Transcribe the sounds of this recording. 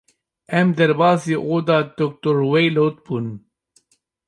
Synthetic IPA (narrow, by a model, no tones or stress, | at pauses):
ɛmd̪ɛɾbɑːziʔod̪ɑːt̪ok̚t̪oɾwejlot̪̚bun